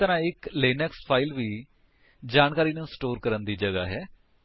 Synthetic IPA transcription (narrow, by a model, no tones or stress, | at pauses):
t̪əɾãːɪkleːnɛːkspʰaːɪlʋiː | d͡ʒaːnkaːɾiːnũːsʈoːɾkəɾənd̪iːd͡ʒəɡa̰ːɦɛː